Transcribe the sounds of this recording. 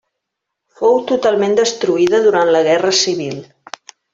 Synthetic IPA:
fowt̪ut̪alˠmend̪əst̪ɾuiðəðuɾant̪ləɣɛrəsiβ̞ilˠ

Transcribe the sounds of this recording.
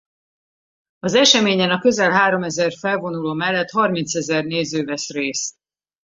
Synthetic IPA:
ɒzɛʃɛmeːɲɛnɒkø̞zɛlɦaːɾo̞mɛzɛrfɛlvo̞nuloːmɛlːɛt̪hɒrmint̪sɛzɛrneːzøːvɛsreːs

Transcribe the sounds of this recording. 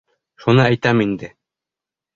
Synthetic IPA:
ʃunɤæjt̪æmind̪ɘ

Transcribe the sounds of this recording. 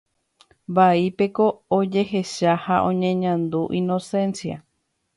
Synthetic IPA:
baipe̞ko̞ːd͡ʒe̞ɦe̞ʃahaʔõ̞̰ɲẽɲãnd̪uʔĩno̞sẽ̞nsia̰

